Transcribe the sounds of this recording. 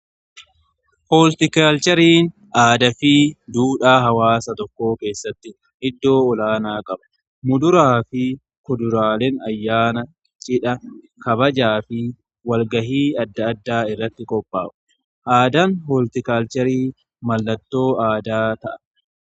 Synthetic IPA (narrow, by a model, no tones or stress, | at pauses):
hoːlt̪ɪkaːlt͡ʃɛɾiːn | aːd̪ɐfiːd̪uːᶑaːɦɐwaːsɐt̪ɔkːo̞ːke̞ːsːɐt̪ːɪ | ʔɪd̪ːo̞ːɔlaːnaːkʼɐbɐ̥ | mʊd̪ʊɾaːfɪ | kɔd̪ʊɾaːlɛnɐjːaːnɐ | t͡ʃʼɪᶑɐ | kɐbɐd͡ʒaːfɪ | wɐlɡɐɦiːɐd̪ːɐːd̪ːaːɪrːɐt̪ːɪkʼɔpʼːa̰ːʔʊ̥ | ʔaːd̪ɐnhɔːlt̪ɪkaːlt͡ʃɛɾiː | mɐlːɐt̪ːo̞ːaːd̪aːt̪ɐʔɐ̥